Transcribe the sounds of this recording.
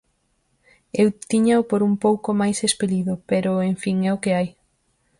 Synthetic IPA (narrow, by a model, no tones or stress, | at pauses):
ewt̪iɲaʊpoɾumpowkʊmajsespeliðʊpeɾʊeɱfiŋɛʊkɪaj